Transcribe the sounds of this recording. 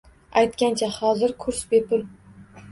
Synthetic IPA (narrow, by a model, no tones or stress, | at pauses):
ajt̪kʲant͡ʃʰahɒzɪɾkʰʊɾsbepʰʊl